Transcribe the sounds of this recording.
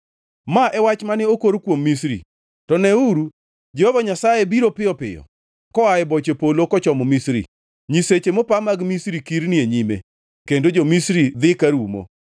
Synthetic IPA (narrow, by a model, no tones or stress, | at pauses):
maʔɛwat͡ʃmanɛokoɾkwomːisɾḭ | tɔnɛuɾu | d͡ʒɛhɔvaɲasajebiɾopɪjɔpɪ̰jɔ̰ | kɔaɛbɔt͡ʃepolokɔt͡ʃɔmɔmisɾḭ | ɲiset͡ʃemɔpamaɡmisɾikiɾnɪeɲimḛ | kendod͡ʒomisɾid̪ɪkaɾumo̰